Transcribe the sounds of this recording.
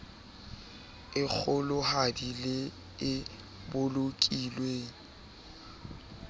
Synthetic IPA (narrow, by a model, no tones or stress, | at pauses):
ɪk͡xʰʊlʊhadilɪ | ɪ | bʊlokʼilweːŋ̩